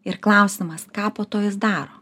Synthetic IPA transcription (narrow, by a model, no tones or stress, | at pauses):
ɪɾklˠɐʊsʲɪmɐskɑːpoːt̪oːjɪsd̪ɑːɾoː